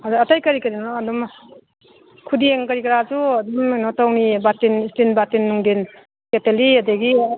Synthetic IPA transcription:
adatajkɐɾikəɾinɔadɔm | kʰudieŋkaɾikɾad͡ʒuadɔmnɔtawnibatinistinbatinːuŋden | keteliadaɡi

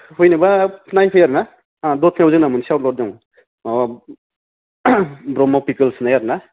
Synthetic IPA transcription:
hujnabapʰnajpʰɯjaɾna | dɔtʰnawzɯŋnamunsiawt̚lɔt̚dɔŋ | bɾɔmawpikɯlsnajaɾna

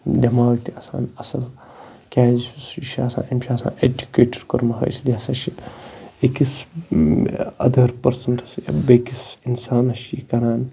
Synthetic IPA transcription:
d̪ɐmaːlt̪iɐsa̰ːnɐsɐl | kʲaːzsʃiɐsa̰ːnɐmʃʰiɐsa̰ːned͡ʒukeːʈɐɾkɐɾmɐɦɐ̰ːsliɐsɐʃʰiekis | ɐ̰d̪ʱɐɾpɐɾsɐnɐsbekisinsaːnɐʃikɐɾaːn

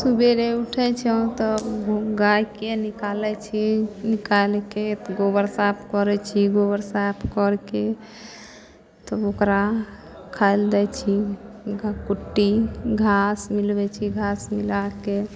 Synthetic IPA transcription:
subeɾeuʈʰɛt͡ʃʰɛ̃t̪ɔɡajkenikalɛt͡ʃʰinikalket̪ɡobəɾsap̚ʰkɔɾɛt͡ʃʰiɡobəɾsapʰkɔɾke | t̪ɔokɾa | kʰajld̪ɛt͡ʃʰi | ɡkuʈːiɡʱasmilbɛt͡ʃʰiɡʱasmilake

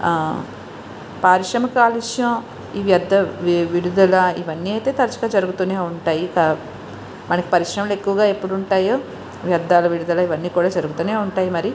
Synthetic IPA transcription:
paːɾiʂɾɐmɐkaːliʃjɐ̃ː | iːʋjɐd̪ʱːɐʋiɽud̪ulɐiʋɐnːiːɐjt̪e̞ːt̪ɐɾɐt͡ʃɐɡaːd͡ʒɐɾuɡut̪uːneːuɳʈaːjikɐ | mɐnɐki̥pɐɾiʂɾɐmɐle̞kːuʋɐɡaːe̞pːuɽuɳʈaːjoː | ʋjɐd̪ːaːlɐʋiɽud̪ɐlɐiʋɐnːiːkuːɽaːd͡ʒɐɾuɡut̪uːne̞ːuɳʈaːjimɐɾi

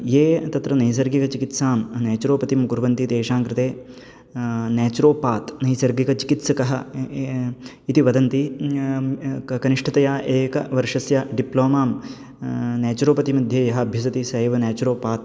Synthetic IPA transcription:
jeːt̪ɐt̪ɾɐnɐjs̬ɐɾɡikɐt͡ʃikit̪saːmnɛːt͡ʃuɾoːpɐt̪imɡuɾʋɐnt̪it̪eːʂaːŋkɾɪt̪eː | naːt͡ʃuɾoːpaːt̪nɐjsɐɾɡikɐt͡ʃi̥kit̪sɐkɐɦɐ | it̪iʋɐd̪ɐnt̪i | kɐniʂʈʰɐt̪ɐjaːʔeːkɐ̰ʋɐɾʂɐsjaɖiploːmaːm | naːt͡ʃuɾoːpɐt̪imɐd̪ʱjeːjɐɦɐɐbʱjɐs̬ɐt̪isɐjʋɐnaːt͡ʃuɾoːpaːt̪̚

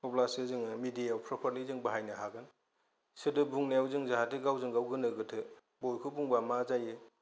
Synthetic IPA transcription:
pʰɔblasɯzɯŋmidijawpʰɾɔpʰaɾlizɯŋbaɦajnaɦaɡɯn | sɯdɯbuŋneawzɯŋzaɦatiɡawzɯŋɡawɡɯnɯɡɯtʰɯ | bojkʰubuŋbamazajɯ

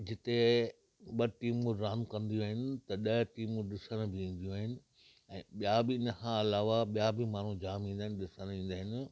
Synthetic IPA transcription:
d͡ʑɪt̪e | ɓɐʈiːmũɾaːmkɐ̃nd̪ijũaːɦɪnɪ̆t̪ɐɗɐʈiːmũɗɪsəɽ̃bʱɪĩːn̆d̪ijũaːɦɪnɪ̆ | ɛ̃ːɓijabɪɪnəkʰãɐlaːʋaɓijabɪmaːn̤ũd͡ʑaːmĩːnd̪aːɦɪ̃n̆ɗɪsəɽ̃ĩːnd̪aːɦɪnɪ̆

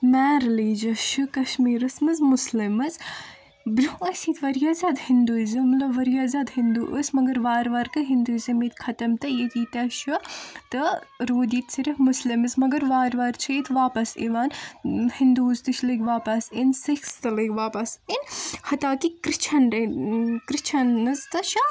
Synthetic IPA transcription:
mɛːɾliːd͡ʒɐʃukɐʃmiːɾɨsmɨzmʊslimɨz | bɾʲuɐsiːt̪ʰʋɐɾjaːzʲaːd̪hind̪uːzimlɐʋɐɾjaːzʲaːd̪hɪnd̪uʔɨsmɐɡɐɾʋaːɾʋaːɾkɨɦind̪uːzʲɐmiːt̪kʰɐt̪ɐmt̪ɨjit̪iːt̪ɐʃut̪ɨɾoːd̪iːt̪siɾɐhmʊslimɨzmɐɡɐɾʋaːɾʋaːɾt͡ʃʰɐit̪ʋaːpɐsḭʋaːnhind̪uːzt̪ɨʃlɨɡʲʋaːpɐsinsikst̪ɨlɨɡʲʋaːpɐsinhɐt̪aːt̪ikɾɨt͡ʃʰɐnɾekɾit͡ʃʰɐnːɐzt̪ɨʃɐ

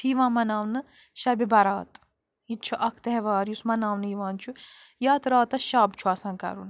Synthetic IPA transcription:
iːʋãːmɐnaːʋnɨ | ʃɐbibɐɾaːt̪ | it̪̚t͡ʃʰuʔɐkʰt̪ɛɦʋaːɾjusmɐnaːʋnɨiʋãːnt͡ʃʰu | jaːt̪ɾaːt̪ɐʃaːbt͡ʃʰuɐsãːnkɐ̰ɾun

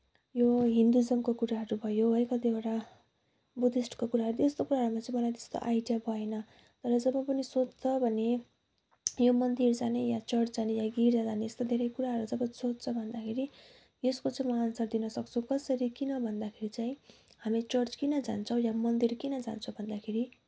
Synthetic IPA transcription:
joɦind̪ud͡zʌmkokuɾaɦʌɾubʱʌjoɦʌjkʌt̪ieʈa | bud̪isʈkokuɾaɦʌɾuest̪okuɾaɦʌɾumat͡saĩmʌlajt̪e̥st̪o̰ʔajɖijabʱʌenʌ | t̪ʌɾʌd͡zʌbʌ̃pʌnisot͡st͡sʰʌbʱʌne | jomʌnd̪ird͡zanejat͡sʌrt͡sd͡zanejaɡiɾd͡zad͡zaneest̪od̪ʱeɾʌjkuɾaɦʌɾud͡zʌbʌsod͡zt͡sʰʌbʱʌnd̪akʰeɾi | eskot͡saĩmʌansard̪inʌsʌk̚t͡sʰukʌsʌɾikinʌbʱʌnd̪akʰeɾit͡saĩ | ɦhamit͡sʌrt͡skinʌd͡za̰nt͡sʰʌ̃w̃jamʌnd̪irkinʌd͡za̰nt͡sʰʌw̃bʱʌnd̪akʰeɾi

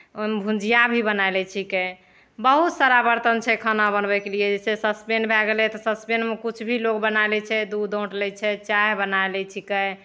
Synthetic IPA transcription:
mbʱũd͡ʒijabʱibənaelɛt͡ʃʰike | bəɦut̪səɾabəɾt̪ənt͡ʃʰɛkʰənabənbɛkelijed͡ʒɛsesəspenbʱɛɡelɛt̪ɔsəspenmekut͡ʃʰbʱilokbənaelɛt͡ʃʰɛd̪ud̪õʈlɛt͡ʃʰɛt͡ʃaɦbənaelɛt͡ʃʰikɛ

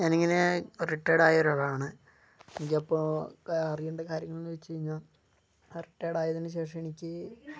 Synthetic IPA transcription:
ɲaːniŋːɐne̞riʈːeːɽaːjɐoɾɐɭaːɳɨ | enikʲːɐpːoɐrijeɳɖɐkaːɾjɐŋːɐɭinʋet͡ɕːt͡ɕejiɲːaːl | riʈːeːɽaːjɐðinːɨɕe̞ːʂɐ̃me̞nikʲːɨ

